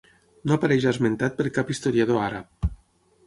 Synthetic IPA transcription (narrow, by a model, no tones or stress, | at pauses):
noapaɾɛʒazment̪at̪̚pəɾkapist̪oɾjað̞oaɾap̚